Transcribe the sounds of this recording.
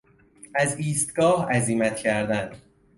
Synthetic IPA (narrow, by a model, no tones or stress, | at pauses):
æziːst̪ɡ̥ɒːhæziːmæt̪cʰæɾd̪ænd̪